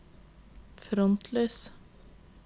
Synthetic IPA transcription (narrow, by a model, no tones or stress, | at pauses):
fɾɔnt̪ʰløːs